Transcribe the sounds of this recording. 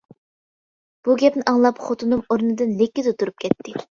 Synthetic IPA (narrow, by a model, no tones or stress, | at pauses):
b̥uɡʲɛpnɪʔɑŋlˠɑpχot̪ʰunumoɾnɨd̪ɨnlɪkʲːizɨt̪ʰuɾup̚kʲʰɛt̪ʰːɪ